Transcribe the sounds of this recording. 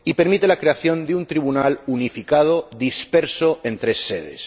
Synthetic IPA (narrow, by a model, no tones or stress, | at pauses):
ipe̞ɾmit̪e̞lakɾe̞aθjõ̞nd̪eunt̪ɾiβunalunifikað̞oðispe̞ɾso̞ẽ̞nt̪ɾe̞sːḛðḛs